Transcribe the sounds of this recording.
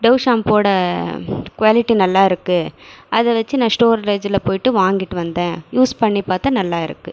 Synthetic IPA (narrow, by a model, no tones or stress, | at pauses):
ɖɐʊʂaːmpoːɽɐ | kʋaːlɪʈːinɐlːaːɪɾɯkːɯʔɐðɛʋɐt͡ʃːɯnãːsʈoːɾɾɐɪd͡ʒɪlɐpoːjɪʈːɯʋaːŋɡɪʈːɯʋɐnd̪ẽːjuːspɐɳːipaːɾt̪ɐnɐlːaːɪɾɯ̰kːɯ